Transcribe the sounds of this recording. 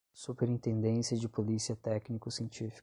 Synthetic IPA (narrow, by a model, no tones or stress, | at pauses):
supeɾĩnt̪ẽnd̪ẽsiɐd͡ʒɪpolisiɐt̪ɛknikʊsiẽnt͡ʃifi̥